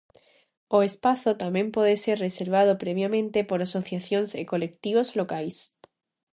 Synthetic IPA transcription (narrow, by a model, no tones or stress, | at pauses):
oespaθot̪amjẽ̞mpweðese̞ɾrreseɾβ̞að̞opɾeβ̞jamẽnt̪e̞poɾaso̞θjaθjo̞nsḛko̞le̞kt̪iβ̞ozlo̞kajs